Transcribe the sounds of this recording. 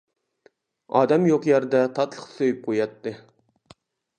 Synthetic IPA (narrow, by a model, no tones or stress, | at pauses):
ɑ̰ːd̪ɛmjoqjæɾd̪ɛt̪ʰɑt̪lˠəχsojyp̚qʰojɑt̪ːɨ